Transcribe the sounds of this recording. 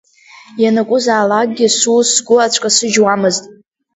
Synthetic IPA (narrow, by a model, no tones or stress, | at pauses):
janɨkʷʼʊzaːlaɡ̚ɡʲɪsusɡʷʊat͡ʃʷʰkʼasɨd͡ʒwamɨztʼ